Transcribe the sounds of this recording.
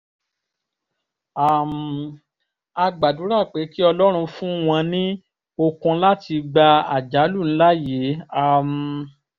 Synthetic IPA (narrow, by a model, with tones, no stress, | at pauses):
a˨m˨ | a˧ɡ͡ba˨du˨˦ɾa˦˨k͡pe˨˦ki˦ɔ˧lɔ˦ɾ̃ũ˧fũ˦w̃ɔ̃˧nĩ˦ | o˧kũ˧la˦ti˧ɡ͡ba˧a̰˨d͡ʒa˨˦lu˦˨ñ̩˨˦la˦je˨˦a˦˨m˨